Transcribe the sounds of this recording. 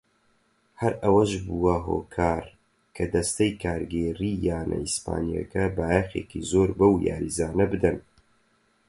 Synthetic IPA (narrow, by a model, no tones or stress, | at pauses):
hɐɾɐwɐʃbuwɐɦo̰ːkʰaːɾ | kʰɐd̪ɐst̪ɐjkʰaːɾɡeːriːjaːnɐ̰ispa̰ːnija̰kɐbaːjexeːkizoːɾbɐwja̰ːɾizaːnɐbɨd̪ɐn